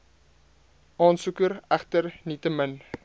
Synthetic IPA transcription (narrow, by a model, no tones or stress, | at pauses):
ʔɑːnsukəɾæχtərnitəmən